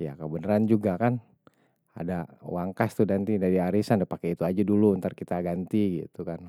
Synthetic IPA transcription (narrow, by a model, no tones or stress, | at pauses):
ja̰kəbənəɾand͡ʒuɡakan | a̰dawaŋkast̪udant̪idaɾiaɾisandapakeit̪uad͡ʒaduluːnt̪arkit̪aɡant̪iɡḭt̪ukan